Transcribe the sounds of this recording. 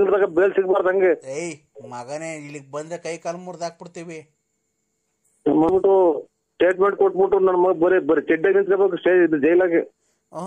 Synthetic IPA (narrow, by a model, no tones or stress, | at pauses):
ŋɡɾt̪aːkɐbeːlsiɡ̚baːɾd̪ɐŋɡeej | mɐɡɐneilːik̚bɐnd̪ɾekɐjkaːlɐmuɾd̪aːk̚piɽt̪iːʋi | nɐmɐbiʈːu | sʈeːʈmeɳʈ̚koʈ̚ːbiʈːunɐnːɐmɐɡɐbɐɾebɐɾikɛɖːɐnint̪kɐbekusʈeːid̪ɐd͡ʒɐjlaːɡe